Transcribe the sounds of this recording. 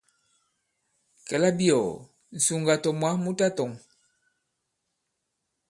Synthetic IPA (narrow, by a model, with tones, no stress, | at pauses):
kɛ˨la˦bi˦ɔ˨ | n̩˨su˨ŋɡa˨tɔ˨mwa˦mu˦ta˦tɔ˨ŋ